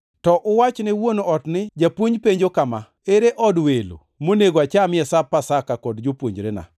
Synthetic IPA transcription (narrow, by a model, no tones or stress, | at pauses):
tɔʔʊwat͡ʃnɪwonoɔtnɪd͡ʒapwoɲpeɲd͡ʒokama | eɾeʔɔdwelo̰ | moneɡoat͡ʃamɪɛsapːasakakɔdd͡ʒopwoɲd͡ʒɾena̰